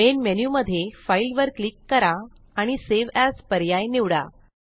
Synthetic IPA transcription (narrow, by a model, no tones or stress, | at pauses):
enmenjuməd̪ʱjefailʋəɾklikːəɾa | aɽ̃iseʋɛspəɾjajniʋɽa̰